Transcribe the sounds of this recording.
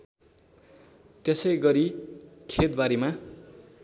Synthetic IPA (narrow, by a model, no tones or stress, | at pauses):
t̪esʌjɡʌɾikʰet̪̚baɾima